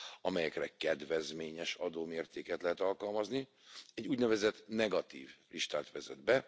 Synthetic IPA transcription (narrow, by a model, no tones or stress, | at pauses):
ɒmɛjɛkrɛkɛd̪vɛzmeːɲɛʃɒd̪oːmeːrt̪eːkɛt̪lɛɦɛt̪ɒlkɒlmɒzni | ɛɟːuːɟnɛvɛzɛt̪nɛɡɒt̪ḭːvliʃt̪aːt̪ʋɛzɛ̰d̪bɛ